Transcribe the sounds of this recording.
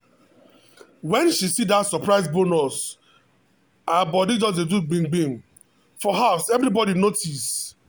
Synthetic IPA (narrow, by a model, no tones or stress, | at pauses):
wɛ̃nʃisidatsɔpɹaɪzbonɔs | ãbɔdid͡ʒɔzeduɡ͡bĩŋɡ͡bĩm | fɔɦaʊsɛvɾibɔɾinotis